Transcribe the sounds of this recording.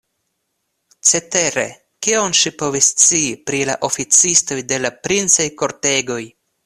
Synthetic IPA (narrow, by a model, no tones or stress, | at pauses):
t͡se̞te̞ɾe̞̰ | kionʃipo̞vist͡siːpɾila̰ʔo̞fit͡sisto̞jde̞lapɾint͡sajko̞ɾte̞ɡo̞j